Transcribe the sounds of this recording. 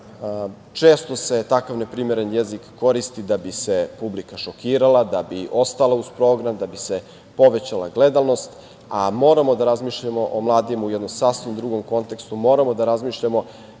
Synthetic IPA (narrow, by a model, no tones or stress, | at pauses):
t͡ʃeːst̪o̞se̞t̪akaʋne̞pɾimeɾenjezikːoɾist̪id̪abisepublikaʃokiːɾalad̪abiʔo̞st̪alˠauspɾo̞ːɡɾamd̪abise̞ | po̞ʋet͡ɕalˠa̰ɡle̞d̪alnost̪ | amo̞ːɾamo̞d̪aɾazmiːʃʎamo̞ʔomlˠaːd̪imujɛd̪nomsasimd̪ɾuɡo̞mko̞nt̪e̞kst̪umo̞ːɾamo̞d̪aɾazmiːʃʎamo̞